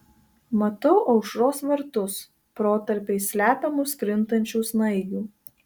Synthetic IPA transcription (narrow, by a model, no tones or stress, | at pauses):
mɐt̪ɐʊʔɐʊʃɾoːsʋɐɾt̪ʊs | pɾoːt̪ɐɾʲpʲeɪsʲlʲæːpʲɛmʊskɾʲɪnt̪ɐnʲt͡ʃʲuːsnɐɪɡʲuː